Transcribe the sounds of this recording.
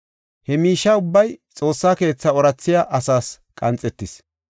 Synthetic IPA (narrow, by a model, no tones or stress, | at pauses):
hɛmiːʃːɐʊbːɐjt͡sʼo̞ːsːaːke̞ːt͡sːɐɔɾɐt͡sːɪjaʔɐsaːs | kʼɐnt͡sʼɛt̪ːɪs